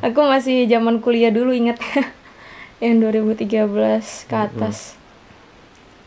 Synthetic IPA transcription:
ʔakumasɪhd͡ʒamankuliaduluiŋət̪̚ɲa | jaŋduaɾibut̪iɡabəlaskəat̪as

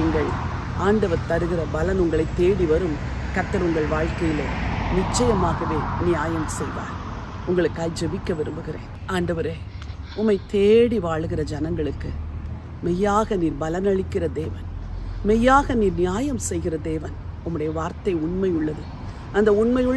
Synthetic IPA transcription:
iŋɡɐɭ | aːɳɖɐʋɐɾt̪ɐɽɯɣɪrɐbɐlɐnʊŋɡɐɭɐɪt̪ːeːɽiʋɐɾɯm | kɐt̪ːɐɾʊŋɡɐɭʋaːɻkɐjɪlenɪt͡ʃːɐjɐmaːɣɐʋeːnɪjaːjɐmsɛjʋa̰ːɾ | ʊŋɡɐɭɯkːaːjd͡ʒɛʋɪkːɐʋɪɾɯmbɯɣɪɾḛːn | aːɳɖɐʋɐɾeː | ʊmːɐɪt̪eːɽiʋaːɭɯɣɪrɐd͡ʒɐnɐŋɡɐɭɯkːɯ | mɛjːaːɣɐniːɾbɐlɐnɐɭɪkːɪrɐd̪eːʋɐnmɛjːaːɣɐniːɾnɪjaːjɐmsɛjɣɪrɐd̪eːʋɐn | ʊmːɯɽɐjɐʋaːɾt̪ɐɪʊɳmɐjʊɭːɐðɯ | ɐnd̪ɐʊɳmɐjɯɭ

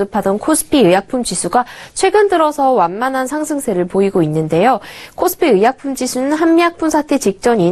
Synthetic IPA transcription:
ɯpʰadʌnkʰosʰɯ̥pʰiɯjak̚pʰumd͡ʑisʰuɡat͡ɕʰwe̞ɡɯndɯɾʌsʰʌwanmanɦansʰaŋsʰɯŋsʰe̞ɾɯɭpoiɡoinːɯnde̞jokʰosʰɯ̥pʰiɯjak̚pʰumd͡ʑisʰunɯnɦanmiak̚p͈ʰunsʰatʰe̞t͡ɕik̚t͡ɕ͈ʌɲi

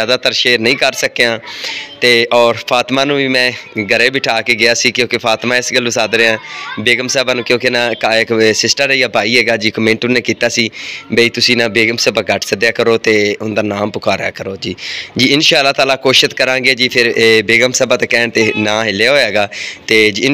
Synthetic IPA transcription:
aːd̪aːt̪əɾʃeːɾnəĩːkəɾsəkejãːt̪eːʔɔːɾpʰaːt̪maːnũːʋiːmɛ̃ːɡəɾeːbɪʈʰaːkeːɡɪjaːsiːkjõːkɪpʰaːt̪mãːɪsɡəlːũːsaːd̪ɾeãːbeːɡəmsɛːbaːnũːkjõːkɪnãːkaɪksɪsʈəɾejaːbʱaːiːɦɛːɡaːd͡ʒiːkəmẽɳʈʊnːeːkiːt̪aːsiːbeiːt̪ʊsĩːnãːbeːɡəmsɛːbaːɡəʈʰsəd̪jaːkəɾoːt̪eːʊnd̪aːnaːmpʊkʰaːɾja̰ːkəɾoːd͡ʒiːd͡ʒiːɪnʃaːəlːaːt̪aːlaːkoːʃət̪kəɾãːɡeːd͡ʒiːpʰɪɾːbeːɡəmsɛːbaːt̪akɛːɳt̪eːnãːɦɪlːejaɦoːɛːɡaːt̪eːd͡ʒiːɪn

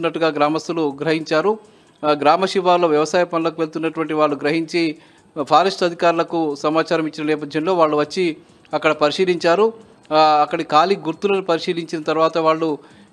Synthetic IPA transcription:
nːɐʈːuɡaːɡɾaːmɐst̪uluɡɾɐɦiɲt͡ʃaːɾu | ɡɾaːmɐʃiʋaːɾloːʋjɐʋɐsaːjɐpɐnulɐkuʋeɭut̪unːɐʈuʋɐɳʈiʋaːɭːuɡɾɐɦiɲt͡ʃi | pʰaːɾɐʂʈɐd̪ʱikaːɾulɐkusɐmaːt͡ʃaːɾɐmit͡ʃːinɐnɛːp̬ɐd̪ʱjɐnlo̞ːʋaːɭːuʋɐt͡ʃːi | ɐkːɐɽɐpɐɾiʂiːliɲt͡ʃaːɾu | ɐkːɐɽikaːliɡuɾt̪ulɐnupɐɾiʂiːliɲt͡ʃinɐt̪ɐɾuʋaːt̪ɐʋaːɭːu

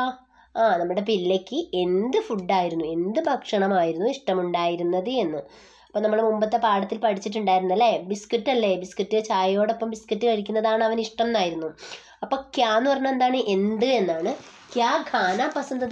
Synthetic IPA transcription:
aːnɐmːuɽe̞pilːekʲːɨʔe̞nd̪ɨfuɖːaːjiɾunːue̞nd̪ɨbʱɐkʂɐɳɐmaːjiɾunːuiʂʈɐmuɳɖaːjiɾunːɐðɨe̞nːɨ | ɐpːoːnɐmːuɽemumbɐt̪ːe̞paːɽɐt̪ːilpɐʈʰit͡ɕːiʈ̬ːuɳɖaːjiɾunːɐlːebiskitːɐlːebiskitːɨt͡ɕaːjjo̞ːɽo̞pːɐmʋiskiʈːɨkɐɻikʲːunːɐðaːɳɨɐʋɐniʂʈɐmnaːjiɾunːu | ɐpːo̞ːkjaːnːupɐrɐɲːɐme̞nd̪aːɳɨʔe̞nd̪ɨe̞nːaːɳɨ | kjaːɡʱaːnaːpːɐsɐnd̪ɐð

